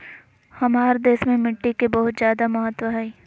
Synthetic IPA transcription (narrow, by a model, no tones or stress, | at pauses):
hɐmaːɾd̪eːʃmẽmɪʈːikebɐɦʊt̪zjaːd̪amɐɦət̪ːwəɦɛi